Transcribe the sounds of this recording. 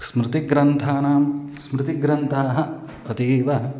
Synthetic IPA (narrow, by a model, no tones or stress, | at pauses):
smɾɪt̪iɡɾɐnt̪ʰaːnaːmsmɾɪt̪iɡɾɐnt̪ʰaːɦɐ | ɐt̪iːʋɐɦɐ